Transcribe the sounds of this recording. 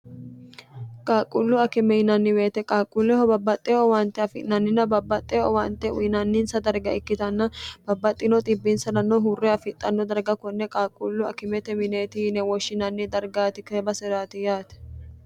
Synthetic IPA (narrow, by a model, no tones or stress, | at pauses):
kʼaːkʼːʊlːʊɐkɪmɛɪnɐnːɪwe̞ːt̪ɛkʼaːkʼːʊlːɛhɔbɐbːɐt̪ʼːɛɔwɐnt̪ːɛɐfɪnɐnːɪnɐbɐbːɐt̪ʼːɛɔwɐnt̪ːɛʊ̰jɪnɐnːɪnsɐd̪ɐɾɡɐɪkːɪt̪ɐnːɐb̥ɐbːɐt̪ʼːɪnɔt̪ʼɪbːɪnsɐnɐnːɔɦurːɛɐfɪt̪ʼːɐnːɔd̪ɐɾɡɐkɔnːɛkʼaːkʼʊlːʊɐ̰kɪmɛt̪ɛmɪneːt̪inɛwɔʃːɪnɐnːɪd̪ɐɾɡaːt̪ɪkeːbɐsɛɾaːt̪ɪjaːt̪ɛ̥